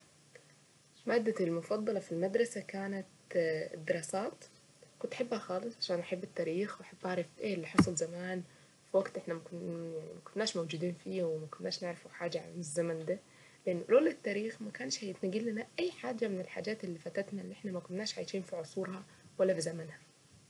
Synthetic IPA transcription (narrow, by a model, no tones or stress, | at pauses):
maːd̪ːalmʊfɑd̪ˤːɑlɑfilmad̪ɾˤɑsakaːnat̪d̪ːɪɾˤɑːsaːt̪ | kʊnt̪ħɪbːhaxɑːlɨsˤʕaʃaːnʔaħɪbːɪt̪ːaːɾiːxwħɪbːʔʕaʕɾˤɑfʔeːlːiħɑsˤʊlzamaːn | fiwaɡt̪ʔɪħnamakʊjaʕnimakʊnːaːʃmowd͡ʒuːd̪iːnfiːwɪmakʊnːaːʃnɪʕɾɪfuħaːd͡ʒaʕɪzːamand̪a | lɪʔɪnːʊloːlɪt̪ːaːɾiːxmakaːnʃhajt̪nɪɡiːlːanaʔajːħaːd͡ʒamɪnɪlħa̰ːd͡ʒaːt̪ɪlːiːfat̪at̪nalːʔɪħnamakʊnːaːʃʕaːjʃiːnfiʕʊsˤuːɾhɑ | walːafizamanha